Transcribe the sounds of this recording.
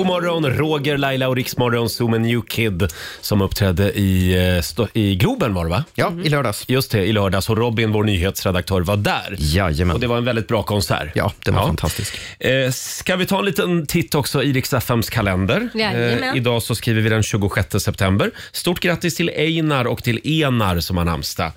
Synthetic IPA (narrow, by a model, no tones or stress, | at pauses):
ʊmɔɾɔnɾoːɡəɾlajlaɔɾɪksmɔɾɔnsuːmənjʉːkʰɪd̪sɔmɵpːt̪ʰɾɛd̪ːəʔɪst̪ɪɡluːbənvaɖɛvajɑːɪlœːɖɑsjɵst̪d̪ɛɪlœːɖɑsɔɾɔbɪnvoːɳyːɦeːt̪sɾɛd̪ak̚t̪ʰœːɾvaɖæ̰ːɾjajəɔd̪ɛvaɾɛnvɛld̪ɪt̪̚bɾɑːkʰɔnsæ̰ːɾjɑ̰ːd̪̥ɛaɾfant̪ʰast̪ɪskː | kavɪt̪ʰɑːɛnliːt̪ənt̪ʰɪt̪ːɔksɔiːɾɪksɛfɛmskʰalɛnd̪əɾɪd̪ɑːsɔskɾiːvəɾvɪd̪ɛnɕʉ̟ːɡʊɧɛt̪ːəsɛpt̪ʰɛmbəɾ | st̪uːʈːɡɾat̪ːɪst̪ʰɪlɛjnaɾɔkt̪ʰɪleːnaɾsɔmaɳa̰ɾmst̪ə̰